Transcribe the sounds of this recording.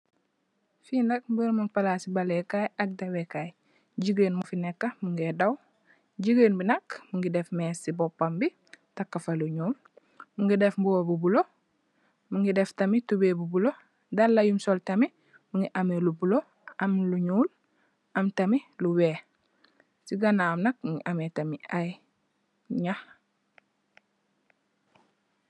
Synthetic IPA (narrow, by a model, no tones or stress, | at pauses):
findɐk̚bəɾmunpalasibalekajɐk̚dewekaj | ɟiɡeːnmufinekːɐmuŋɡedaw | ɟiɡeːnbinɐkmuŋɡidefmeːsibopːambi | takːafɐluɲuːl | muŋɡidefmbuwobubulo | muŋɡideftamitubeːbubulo | dalːajumsoltɐmi | muŋɡiʔamelubulo | ɐmluɲuːl | ʔɐmtɐmiluweː | siɡanamnɐk̚muŋɡḭʔametamiaj | ɲah